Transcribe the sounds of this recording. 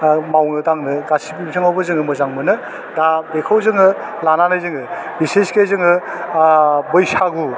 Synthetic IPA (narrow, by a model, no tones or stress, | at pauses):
mawŋɯdaŋnɯɡasipimsʰɯŋawbɯzɯŋɯmɯzaŋmɯnɯ | dabekʰawzɯŋɯ | lananajzɯŋɯbiseskezɯŋɯ | bɯjsaɡu